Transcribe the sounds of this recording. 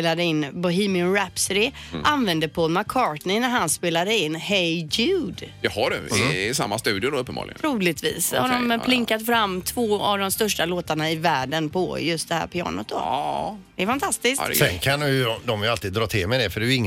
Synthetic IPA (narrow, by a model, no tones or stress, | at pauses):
lad̪əɪnːbɵɦiːmɪʊnɾɛpsɾɪ | ʔanvɛnd̪əpʰɔːlmakʰːɑːʈnɪnæɾɦanspeːlad̪əɪnːhɛjɡʉːd̪jɑhaɖɵ̰ɛɛsa̰mːast̪ʉ̟ːd̪ɪʊd̪ɔɵpːəmbɑ̰ːlɪ̰ɡəɾuːlɪt̪vḭːshaɖɔmʰlɪŋkat̪fɾamːt̪ʰvoːa̰vd̪ɔmst̪œʂʈaloːt̪aɳaɪvæːɖənpʰɔ̰jɵst̪d̪ɛhæ̰ːɾpʰɪɑ̰ːnə̰t̪d̪o̰d̪ɛɛɾfant̪ʰast̪ɪsksɛnkʰand̪ʊjɔd̪ɔmjʉalt̪iːd̪d̪ɾɑːt̪ʰɪlmɛd̪ɛfœɖɛɪŋː